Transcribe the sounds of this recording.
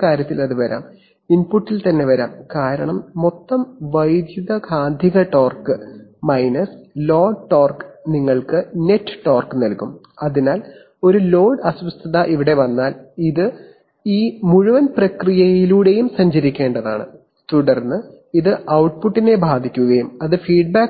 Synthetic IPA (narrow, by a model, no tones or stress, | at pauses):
kaːɾjɐt̪ːilɐðuʋɐɾa̰ːm | inpuʈːilt̪ɐnːe̞ʋɐɾa̰ːmkaːɾɐɳɐmːo̞t̪ːɐmʋɐjd̪juðɐɡʰʱaːnd̪ʱiɣɐʈoːrkɨmɐjnɐslo̞ːɖʈo̞ːrkɨ̥niŋːɐɭkɨne̞ʈːɨ̥ʈːo̞ːrkɨnɐlkum | ɐðinaːl | o̞ɾulo̞ːɖɐswɐst̪ʰɐðɐʔiʋiɽe̞ʋɐnːaːliðɨ | iːmuɻuʋɐnprɐkrijɐjiluːɽe̞jumsɐɲd͡ʑɐɾikʲːeːɳɖɐðaːɳɨ̰ | t̪uɽɐrnːɨ | iðɨʔɐwʈ̚puʈːine̞bʱaːd̪ʱikʲːuɣɐjumɐðɨfiːɖbaːk